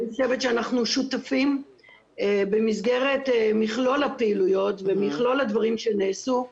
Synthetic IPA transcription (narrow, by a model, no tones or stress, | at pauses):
ʃevetʃeanaχnuʃutafim | bemizɡe̞ʁe̞tmiχlo̞lhapeilujo̞tvemiχlo̞ladvaʁimʃeneːsu